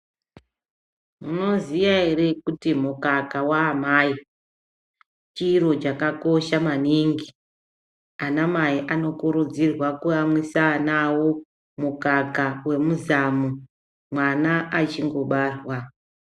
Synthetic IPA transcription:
muno̞zijaɦeɾe̞kutimukakawaːmaːi | t͡ʃiro̞t͡ʃakako̞ʃamaniŋɡi | anamaiʔano̞kuɾud͡zirwakuamwisanawo̞ | mukakawe̞muzamu | mwanaʔat͡ʃiŋɡo̞ɓarwa

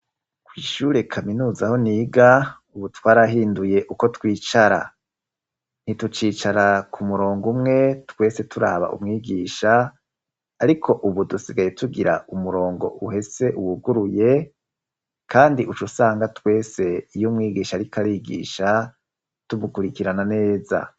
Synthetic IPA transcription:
kwiːʃuːɾe̞kʰaminuːzaho̞niːɡa | uβutwaːɾaɦiːnduje̞ʔuko̞twiːt͡ʃaɾa̰ | n̥itut͡ʃiːt͡ʃaɾakʰumuɾo̞ːŋɡumŋe̞twe̞se̞tʰuɾa̰ːβa̰ʔṵmŋiːɡiːʃaː | ɾikʰo̞ʔuβudusiɡaje̞tuɡiɾa̰umuɾo̞ːŋɡo̞̰ʔuhe̞se̞ʔuwuɡuɾuje̞ | kʰaːndiʔut͡ʃusaːŋɡatwe̞ːse̞ijomŋiːɡiːʃaɾikʰaɾiːɡḭːʃa | tumukuɾikiɾanane̞ːza̰

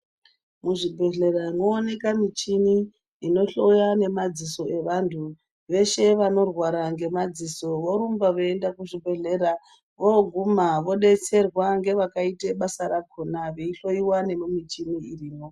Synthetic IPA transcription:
muʐibʱe̞ɮe̞ɾaino̞ːne̞kamit͡ʃini | ino̞ɬo̞jane̞mad͡ziso̞e̞ʋantʰu | ʋe̞ʃe̞ʋano̞rwaɾaŋɡe̞mad͡ziso̞ʋo̞ɾumbaʋoendakuʐibʱe̞ɮe̞ɾa | ʋo̞ɡʱumaʋo̞ɗe̞t͡se̞rwaŋɡe̞ʋakaiteɓasaɾakʰonaʋeiɬo̞iwane̞mumit͡ʃiniiriːmo̞

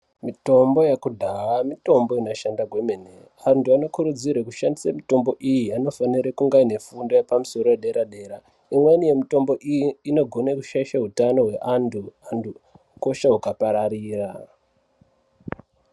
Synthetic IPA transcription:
mito̞mbo̞jekudʱawamito̞mbo̞inoʃandaɡwe̞mene | antuano̞kuɾud͡zirwekuʃandisamito̞mbo̞ʔijiano̞faniɾekuŋɡaine̞fundo̞jepamuso̞ɾo̞eɗe̞ɾaɗe̞ːɾa | imwenije̞mito̞mbo̞ʔijiino̞ɡʱo̞nekuʃaiʃaɦutano̞ɦwe̞ʔantʰuantʰu | ko̞ʃaɦukapaɾaɾiːra

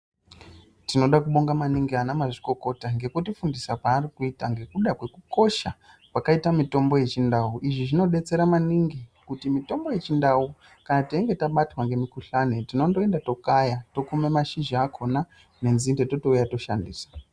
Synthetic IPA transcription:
tino̞ɗakuɓo̞ŋɡamaniŋɡianamaʐiko̞ko̞taŋɡe̞kutifundisakwaːrikuitaŋɡe̞kuɗakwe̞kuko̞ʃa | pwakaitamito̞mbo̞je̞t͡ʃindauʔiʐiʐino̞ɗe̞t͡se̞ɾamaniŋɡikutimito̞mbo̞je̞t͡ʃindau | kanateiŋɡe̞taɓatwaŋɡe̞mikuɬanetino̞ndo̞e̞ndato̞kajato̞kumemaʃind͡ʒiakʰo̞na | ne̞nzindeto̞to̞ujato̞ʃandiːsḁ

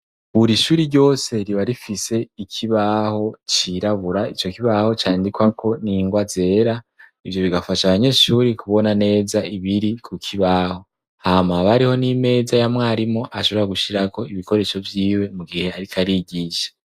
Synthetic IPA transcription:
βuɾiʃuːɾiɾɟo̞ːse̞ɾiβaɾifise̞ikʰiβaho̞t͡ʃiɾaβuɾait͡ʃo̞kiβaho̞t͡ʃaːndikwakʰo̞niŋɡwaze̞ːɾa | ivjo̞βiɡafaʃaβaɲe̞ʃuːɾikuβo̞nane̞ːzaiβiɾikʰukʰiβaho̞ | hamaβaɾiho̞nime̞ːzajamŋaːɾimo̞ʔaʃo̞βo̞ɾaɡuʃiɾako̞iβiko̞ɾe̞ʃo̞vjiːwe̞muɡihe̞aɾikʰaɾiɟiːʃḁ

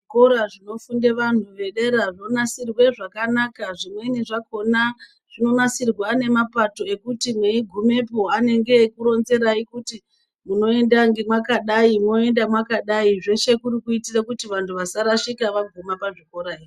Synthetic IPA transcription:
ʐikoɾaʐino̞fundeʋan̤uʋe̞ɗe̞ɾaʐonasirwe̞ʐakanakaʐimwe̞iniʐako̞na | ʐ̥ino̞nasirwaːne̞mapato̞e̞kutimwe̞iɡʱume̞po̞ane̞ŋɡe̞kuɾo̞nze̞ɾaikuti | muno̞e̞ndaŋɡemwakaɗaimo̞e̞ndamwakaɗaiʐe̞ʃe̞kuɾikuitirakutiʋantʰuʋasaɾaʂikaʋaɡʱumapaʐiko̞ɾaii

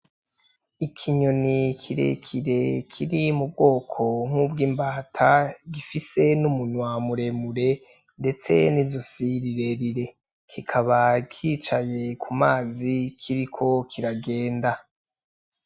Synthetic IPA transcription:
ikʰiɲonikʰiɾe̞̰kʰiɾe̞kʰiɾimub̚ɡo̞ːkʰo̞ŋ̥ubɡiːmbaːtʰaɡifise̞numunwamuɾe̞muɾe̞ | nde̞t͡se̞̰nizosiɾiɾe̞ɾiɾe̞ | kʰikʰaβakʰiːt͡ʃaje̞kumaːzikʰiɾikʰo̞kʰiɾaɡe̞ːnda

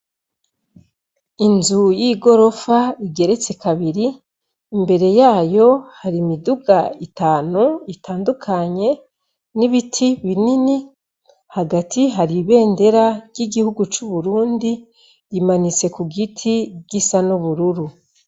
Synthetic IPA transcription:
inzujiːɡo̞ɾo̞faiɡe̞ɾe̞t͡se̞kaβiɾiː | mbe̞ɾe̞jaːjo̞haɾimiduɡaitaːnuitʰaːndukʰaɲe̞ | niβitʰiβinini | haɡatʰiɦaɾiβe̞ːnde̞ɾavɟiɡihuɡut͡ʃuβuɾuːndi | ɾimanit͡se̞kuɡitʰiɡisanuβuɾuɾu

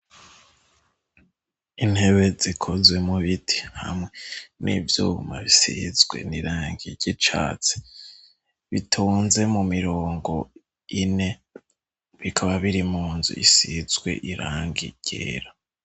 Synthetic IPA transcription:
in̥he̞βe̞zikʰozwe̞muβitʰi̥ha̰mŋenivjuːɡumaβisizɡwe̞̰niɾaːŋɡiɟit͡ʃa̰ːt͡si̥ | βitʰuːnze̞mumiɾo̞ːŋɡo̞ | ine̞ | βikʰaβaβiɾimuːnzṵisizɡwe̞̰ʔiɾaːŋɡḭɟ̥ḛːɾa

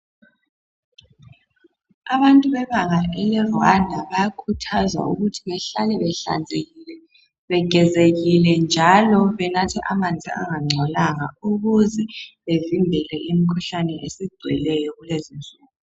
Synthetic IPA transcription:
aβantʼuβɛβaŋaʔɛlɛrandʱaβajakʰutʰazwa̰ṵɣutʰiŋɛɬanɛɛa̰nʱɛ | βɛɡ̥ʱɛzeɣilɛnd͡ʒʱalɔβɛnatʰiʔamand͡ɮʱḭa̰ŋaŋ͡ǀʱɔlaŋa̰uɣuzɛβevimbʱɛlɛʔimikʰuɬanɛʔesiɡ͡ǀʱwɛ̰lɛjɔɣulezind͡ɮʱuːl

